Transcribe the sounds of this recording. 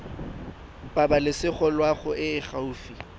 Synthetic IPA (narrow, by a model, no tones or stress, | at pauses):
pʼabalɪsɪχɔlwaχʊɪɪχauːfi